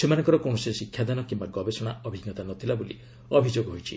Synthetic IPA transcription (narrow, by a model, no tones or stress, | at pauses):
semanɔ̃ŋkɔɾɔkõɔsesikʰjad̪anɔkimbaɡɔbesɔɽ̃aɔbʱiɡjɔt̪anɔt̪ʰilabolḭ | ɔbʱid͡ʒoɡɔɦojt͡ʃʰḭ